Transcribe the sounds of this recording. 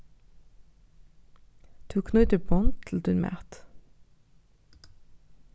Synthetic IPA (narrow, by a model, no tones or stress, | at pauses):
t̪ʰuːkʰnʉʏt̪əpʰɔnt̪ʰl̩d̪ʰʉnmæ̰ːt̪